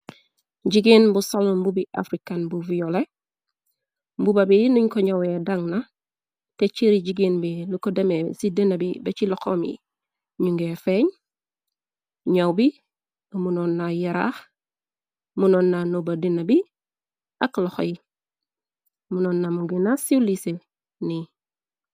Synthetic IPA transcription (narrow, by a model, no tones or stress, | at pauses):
ɟiɡinbusalumbubiʔa̰fɾikanbuvijole | bubabinuɲkoɲawedaŋna | tet͡ʃiɾiɟiɡinbilukodemesidenabibet͡ʃilokomḭ | ɲuŋɡefeɲ | ɲawbi | munonːajaɾa̰x | munoːnːanobadinabi | akloxo̰i | munoːnːamuɡinasilise | ni